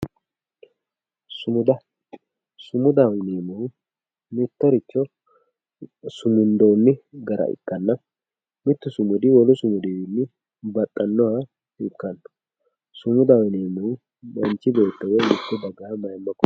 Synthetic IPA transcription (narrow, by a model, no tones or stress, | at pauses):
sʊmʊd̪ɐ | sʊmʊd̪ɐwneːmɛw | mɪt̪ːɔɾɪt͡ʃːɔ | sʊmʊnd̪oːnːɪɡɐɾʔɐ̰ʔɪ̰kːɐnːɐ | mɪt̪ːʊsʊmʊd̪ɪwɔlʊsʊmʊd̪iwɪnːɪ | bɐt̪ʼːɐnːɔhɐ | ɪkːɐn̥ː | sʊmʊd̪ɐwneːmɛw | mɐnt͡ʃːɪbeːt̪ːɐwɛmɪt̪ːʊbɐɡɐhɐmɐjɪmːɐkːɔ